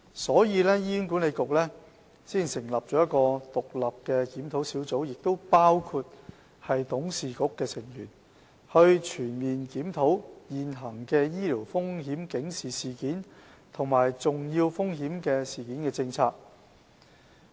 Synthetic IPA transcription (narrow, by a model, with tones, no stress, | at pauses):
sɔː˨˥jiː˨˧lɛː˥jiː˥nkuː˨˥nle˨˧jkʊ˨k̚lɛː˥ | siː˥˩nsɪ˨˩ŋlɐ˨˩p̚t͡ʃɔː˨˥jɐ˥t̚kɔː˧t̪ʊ˨k̚lɐ˨p̚kɛː˧kiː˨˥mt̪ʰo˨˥wsiː˨˥wt͡so˨˥wjɪ˨k̚t̪o˥wpaː˥wkʰuː˧t̚ | hɐ˨jt̪ʊ˨˥ŋsiː˨kʊ˨kːɛː˧t͡sʰɪ˨˩ŋjyː˨˩n | hɵ˧ɥt͡ʃʰyː˨˩nmiː˨nkiː˨˥mt̪ʰo˨˥wjiː˨nɦɐ˨˩ŋkɛː˧jiː˥liː˨˩wfʊ˥ŋɦiː˨˥mkɪ˨˥ŋsiː˨siː˨˩kiː˨˥n | t̪ʰʊ˨˩ŋmaː˨˩jt͡sʊ˨˩ŋjiː˧wfʊ˥ŋɦiː˨˥mkɛː˧siː˨kiː˨˥nkɛː˧t͡sɪ˧ŋt͡sʰaː˧k̚